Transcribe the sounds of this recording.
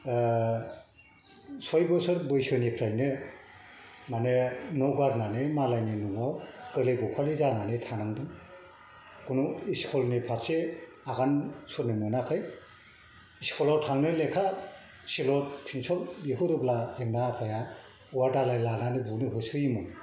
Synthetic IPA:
sɔjbɯsɯɾbɯjsɯnipʰɾajnɯ | manenɔwɡaɾnanemalajninuŋawkɯlejbɔkʰalizananetʰanaŋdɯŋ | kunuiskʰɔlnipʰaɾse | aɡansɔɾnimɯnakʰɯj | iskʰɔlawtʰaŋnɯlekʰa | silɔt̚pʰinsʰɔldiɦɯɾɯblazeŋnapʰaja | uwadalajlananɯbunɯɦɯsɯjimɯ

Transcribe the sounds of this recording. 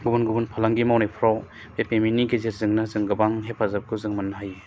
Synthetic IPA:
ɡubunɡubunpʰalaŋɡimawnajpʰɾaw | bepeminiɡezeɾzɯŋnazɯŋɡɯbaŋɦepʰazap̚kʰuzɯŋmanaɦaj

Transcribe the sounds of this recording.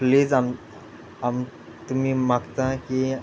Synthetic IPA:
plid͡zam | am | t̪um̤iːmaɡt̪aki

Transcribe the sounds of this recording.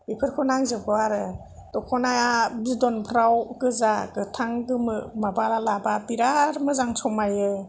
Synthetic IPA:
ipʰɯɾkʰɔnaŋzɯɡɔaɾɯ | dɔkʰɔnajabzidɔnpʰɾawɡɯzaɡɯtʰaŋɡɯmɯmabalalababiɾaɾmɯzaŋsʰɔmajɯ

